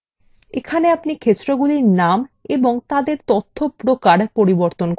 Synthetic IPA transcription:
ekʰaneapnikʰet͡ɕɾoɡuliɾnameboŋt̪ad̪eɾt̪ot̪ʰːopɾokaɾpoɾiboɾt̪onk

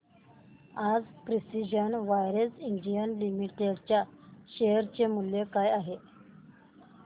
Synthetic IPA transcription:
ad͡zpɾisid͡ʑənʋajɾəsindijənlimiʈeɽt͡ɕjaɕeɦɾt͡ɕemuljekajaɦe

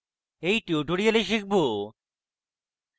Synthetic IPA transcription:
ejʈioɖʱoɽijeleʃik̚bo

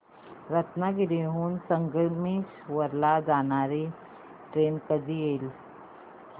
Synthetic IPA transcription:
ɾɐt̪naɡɪɾeːɦunsɐŋɡəɾmiʃwɐɾlad͡ʒaːnaːɾi | ʈɾeːnkəd̪iel

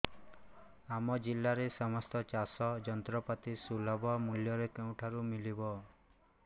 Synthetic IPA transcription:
amɔd͡ʒilːaɾesɔmɔst̪ɔt͡ʃasɔd͡ʒɔnt̪ɾɔpat̪isulɔbʱɔmuljɔɾekew̃ʈʰaɾumilibɔ

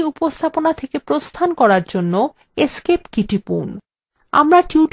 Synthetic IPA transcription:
upost̪ʰaponat̪ʰekepɾost̪ʰankɔɾaɾd͡ʑonːo | eskepkiʈipṵn | a̰mɾaʈuʈ

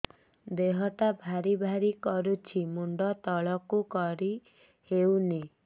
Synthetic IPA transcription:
d̪eɦɔt̪abʱaɾibʱaɾikɔɾut͡ʃʰimuɳɖɔt̪ɔɭɔkukɔɾi | hewni

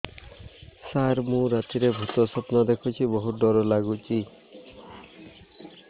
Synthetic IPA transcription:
saɾmũɾat̪iɾebʱut̪ɔsɔpnad̪ekʰut͡ʃʰibɔɦuɖɔɾɔlaɡut͡ʃi

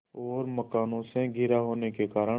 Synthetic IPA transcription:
ɔːɾməkaːnõsẽɡʱɪɾaɦoːnekekaːɾə

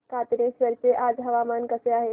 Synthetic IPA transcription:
kat̪nẽsʋɐɾt͡ʃeʔaːd͡ʒɦɐʋamankəseaːɦe

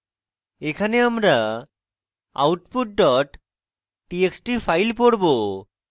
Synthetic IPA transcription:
ekʰaneamɾa | a̰wʈpuʈ̚ɖɔʈː | ieksʈipʰajlpoɽbo

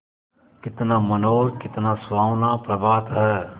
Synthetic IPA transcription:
kɪt̪naːmɐnoːlkɪt̪naːswaːwnaːpɾɐbaːt̪ɦɛː

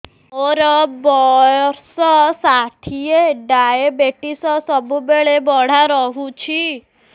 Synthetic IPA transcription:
oɾɔbɔjɔɾsɔsaʈʰieɖaebeʈisɔsɔbubeɭebɔɽ̤aɾɔɦut͡ʃʰi

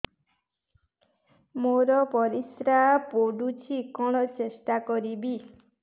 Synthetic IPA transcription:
moɾɔpɔɾisɾapoɖut͡ʃʰikɔɽ̃ɔt͡ʃesʈakɔɾibi

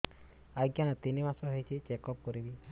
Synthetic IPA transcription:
aɡjanɔt̪inimasɔɦejt͡ʃʰit͡ʃekɔp̚kɔɾibi

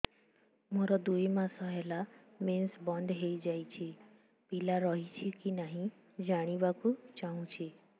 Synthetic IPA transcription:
mɔɾɔd̪ujmãsɔɦɛla | mensbɔnd̪ɦeid͡ʒajt͡ʃʰe | pilaɾɔɦit͡ʃʰikinaɦĩ | d͡ʒaɽ̃ibakut͡ʃaɦũt͡ʃʰe

